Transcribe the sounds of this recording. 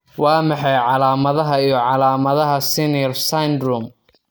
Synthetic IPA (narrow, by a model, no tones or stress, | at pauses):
wɑːmɑħɑjʕɑlaːmɐðɐɦɐijɞʕɑlaːmɐðɐɦɐsɪnjrsajnd̪ɾʊm